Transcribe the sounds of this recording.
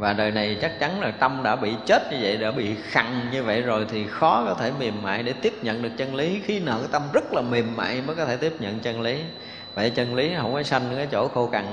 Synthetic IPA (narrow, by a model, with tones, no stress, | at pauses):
vaː˨˩ɗəː˨˩jna˨˩jt͡ɕa˦˥k̚t͡ɕa˨˦nlaː˨˩t̪ə˧mɗa̰ː˧˥ɓḭ˧˨t͡ɕe˦˥t̚ɲɨ˧və̰˧˨jɗa̰ː˧˥ɓḭ˧˨xa˨˩ŋɲɨ˧və̰˧˨jzo˨˩jt̪ʰi˨˩xɔ˨˦kɔ˨˦t̪ʰe˧˩mi˨˩əmːa̰ː˧˨jɗe˧˩t̪i˦˥əp̚ɲə̰˧˨nɗɨ˨˩ək̚t͡ɕə˧nli˨˦xi˧nə̰ː˧˨t̪ə˧mzə˦˥t̚laː˨˩mi˨˩əmːa̰ː˧˨jmə˨˦jkɔ˨˦t̪ʰe˧˩t̪i˦˥əp̚ɲə̰˧˨nt͡ɕə˧nli˨˦ | və̰˧˨t͡ɕə˧nli˨˦ə̰˧˩wməː˨˦jsa˧jŋ˧kaː˨˦jt͡ɕo̰˧˩xo˧ka˨˩ŋ